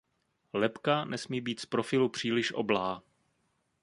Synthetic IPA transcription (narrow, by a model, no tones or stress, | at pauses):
lɛpkanʔɛsmiːbiːt̪spɾo̞fɪlupr̝̥iːlɪʃʔo̰blaː